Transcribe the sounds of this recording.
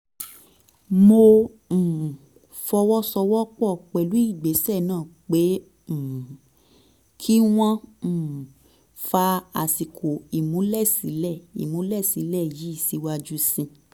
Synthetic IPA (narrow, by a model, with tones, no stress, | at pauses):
mo˧ | m̩˨ | fɔ˧wɔ˦sɔ˧wɔ˦k͡pɔ˦˨k͡pɛ˨lu˨˦i˦˨ɡ͡be˨˦sɛ˦˨nãː˦˨k͡pe˨˦ | m̩˨ | kʰi˦w̃ɔ̃˦m̩˨ | fa˧a˨si˨kʰo˨i˨mũ˨˦lɛ˦˨si˨˦lɛ˦˨ḭ˨mũ˨˦lɛ˦˨si˨˦lɛ˦˨ji˨˦i˦˨si˧˦wa˧d͡ʒu˦sĩ˧